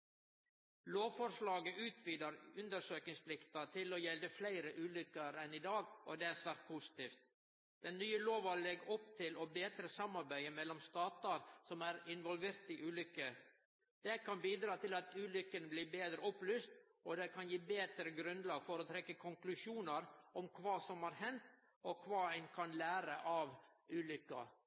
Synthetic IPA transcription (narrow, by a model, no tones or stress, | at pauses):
loːʋfɔɾʂlɑːɡəʔʉːt̪ʰʋiːd̪əɾʉnd̪əɾʂøːknɪŋspʰlɪkt̪ɑt̪ʰɪlojɛld̪əflæɪɾəʔʉːlʏkəɾɛniːd̪ɑːɡʔo̰d̪ɛæɾsʋæːɾt̪̚pʰusɪ̥t̪iːft̪ | d̪̥ɛnːyːəloːʋɑlɛɡɔpt̪ʰɪlɔbeːt̪ɾəsɑmːɑɾbæɪəmɛlːɔmst̪ɑːt̪ɑɾsɔmæɾɪnʋɔlʋeːɾt̪iʔʉːlʏkːə | d̪̥ɛkʰɑnbiːd̪ɾɑːt̪ɪlɑt̪ʉːlʏkːənbliːbeːd̪ɾəɔplyːst̪ | ɔd̪ɛkʰɑnjiːbeːt̪ɾəɡɾʉnd̪lɑːɡfɔɾɔt̪ʰɾɛkːəkʰɔŋklʉʂuːnəɾɔmkʰʋɑːsɔmhɑɾhɛnt̪ | ɔkʰʋɑːæɪnkʰɑnlæːɾəʔɑʋʉːlʏkːɑ̰